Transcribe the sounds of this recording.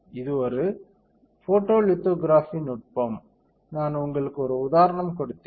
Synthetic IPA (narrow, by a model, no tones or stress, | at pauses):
ɪðɯɔɾɯ | foːʈːoːlɪt̪ːoːɡɾaːfinʊʈ̚poːm | naːnʊŋɡɐɭɯkːɯɔɾɯʊðaːɾɐɳɐmkɔɽɯt̪ːeː